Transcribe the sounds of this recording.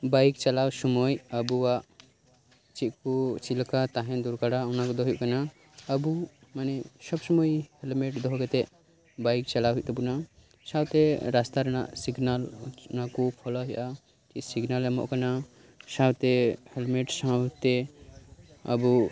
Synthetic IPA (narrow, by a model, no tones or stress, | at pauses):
bajkt͡ʃɐlawsɔmɔjəbuwaʔ | t͡ʃiʔkut͡ʃilkat̪aɦɛ̃d̪uɾkaɽaunakɔd̪ɔɦjuʔkana | əbumanɛsɔbsɔmɔjhɛlmeʈd̪ɔɦɔɡɛt̪ɛ | bajk̚t͡ʃɐlaɦuʔt̪ɔbuna | sawt̪ɛɾast̪aɾna̰ʔsiɡnalnakupʰɔlɔɦɛʔa | t͡ʃiʔsiɡnalmɔ̰ʔkana | sawt̪ɛhɛlmeʈsawt̪ɛ | ə̰bu